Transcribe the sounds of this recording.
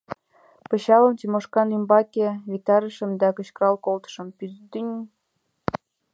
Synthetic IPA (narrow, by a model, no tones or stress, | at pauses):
pɤ̆ɕɑlɤ̆mt̪ʲimoʃkɑnymbɑkʲeβit̪ɑɾə̆ʃə̆md̪ækɤ̆ɕk̆ɾɑlkolt̪ə̥̆ʃɤ̆mpyzd̪ynʲ